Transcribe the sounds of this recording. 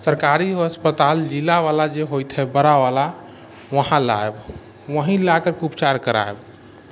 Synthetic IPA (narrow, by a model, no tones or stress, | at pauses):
səɾkaɾiəspət̪ald͡ʒilaʋalad͡ʒeɦojt̪ɦɛbəɾaʋala | ʋəɦãla̰eb | ʋəɦĩlakəɾkupt͡ʃaɾkəɾa̰eb